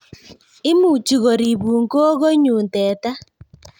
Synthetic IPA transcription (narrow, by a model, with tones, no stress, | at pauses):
ɪ˦mu˨t͡ʃi˨ɣo˨ɾi˨βu˨ŋko˦ɣo˦ɲu˨ntɛ˨ta˦